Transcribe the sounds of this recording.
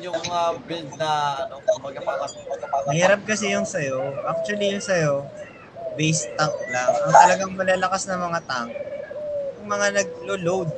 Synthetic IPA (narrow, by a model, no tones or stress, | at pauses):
jʊŋmabɾɪld̪̚nɐɐnokobɐɡɐpakɐsuɐɐamɐhiːɾɐp̚kɐsɛjʊŋsɐjo̞ʔak̚t͡ʃʊwɐlijʊŋsɐjo̞ | bejst̪ːaklaŋɐt̪ɐlɐɡaŋmɐlaːlɐkasnɐmɐŋat̪aŋ | jʊŋmɐŋanɐɡ̚lolowd̪̚